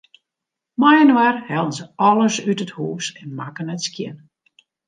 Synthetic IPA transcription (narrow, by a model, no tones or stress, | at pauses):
majənwarhɛlˠənzəɔlˠəsytəthuːsɛnmakənɛtskjɪ̰n